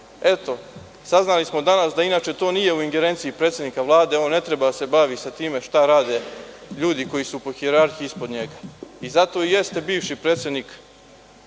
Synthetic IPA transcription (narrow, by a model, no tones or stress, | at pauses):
e̞t̪o̞ | saznalismo̞d̪anasd̪ainaːt͡ʃe̞t̪o̞ːnije̞uiŋɡe̞ɾe̞nt̪siipɾet̪sʲjed̪nikaʋlˠaːd̪e̞oːnːe̞t̪ɾe̞bad̪ase̞baʋisat̪iːme̞ʃt̪aɾaːd̪e̞ | ʎuːd̪iko̞jisupoxieɾaɾxiispo̞d̪ɲe̞ɡaizat̪o̞ije̞st̪e̞biːʋʃipɾeːt̪sʲed̪nik